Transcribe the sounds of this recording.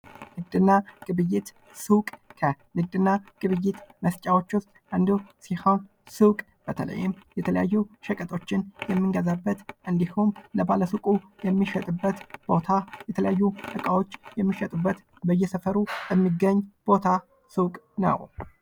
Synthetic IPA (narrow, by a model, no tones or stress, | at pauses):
nɨɡd̪ɨnːaɡ̥ɨβɨjːɪt̪ | sukʼkʰə | nɨɡ̚d̪ɨnːaɡ̥ɨβɨjːɪt̪məst͡ʃʼawot͡ʃːʊst̪ʼʔɨnd̪usiha | sɨwkʼ | b̥ət̪ʰə̰lə̰jːɪmjɛt̪ʰələja̰jːuʃəkʼət̪ʰo̞t͡ʃːɪnjɛmːɨŋɡəzabːət̪ʔɨnd̪ihumləbaləsukʼujɛmːiʃət̪ʼɨbːət̪b̥o̞t̪ʰajɛt̪ʰələjajːuʔɨkʼawo̞t͡ʃːjɛmːiʃət̪ʼubːət̪ | bəjːɛsəfəɾubəmːiɡːəɲːb̥o̞t̪ʰa | sɨwkʼ | nə̰w